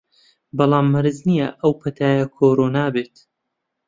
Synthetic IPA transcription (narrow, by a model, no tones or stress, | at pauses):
bɑlˠɑːmːɐɾɨznijɐʔɐwpʰɐt̪ʰaːjɐkʰoːɾoːnaːbeːt̪